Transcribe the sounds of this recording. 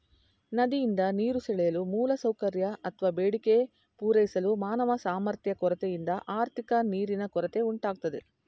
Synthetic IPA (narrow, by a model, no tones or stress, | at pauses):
nɐd̪ijind̪ɐniːɾusɛɭɛjɐlumuːlɐsɐwkɐɾjɐʔɐt̪ʰʋaːbeːɽike | puːɾɐjisɐlumaːnɐʋɐsaːmɐɾt̪ʰjɐkɔɾɐt̪ɛjind̪ɐʔaːɾt̪ʰikɐniːɾinɐkɔɾɐt̪e̞uɳʈaːɡ̚t̪ɐd̪e̞